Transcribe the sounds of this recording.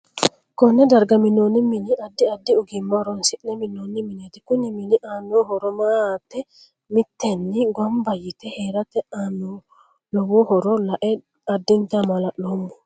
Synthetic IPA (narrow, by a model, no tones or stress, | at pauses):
kɔnːɛd̪ɐɾɡɐmɪnːoːnːɪmɪnɪɐd̪ːɪɐd̪ːɪʊɡɪmːɐɾɔnsɪʔnɛmɪnːoːnːɪmɪnet̪ɪ̥kʊnːɪmɪnɪʔaːnːoːhɔɾɔmaːt̪ːɛ | mɪt̪ːɛnːɪɡʷɐmbɐjɪt̪ɛheːɾɐt̪ɛano | lɔwɔhɔɾɔlɐʔɛ | ɐd̪ːɪnt̪ɐmɐlɐʔoːmːʊ